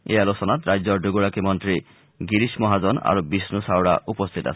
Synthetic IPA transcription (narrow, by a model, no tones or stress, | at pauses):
ealosonat̪ɾajd͡ʑɔɖoɡuɽakimɔnt̪ɾi | ɡiɾiʃmɔɦad͡ʑɔna̰ɾobisnusawɽa̰upost̪ʰit̪a̰sʰe